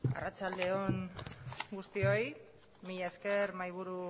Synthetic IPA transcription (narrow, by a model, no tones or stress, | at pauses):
a̰rat͡ʃald̪eon | ɡust̪io̞j | miʎaeske̞ɾmajβ̞uɾu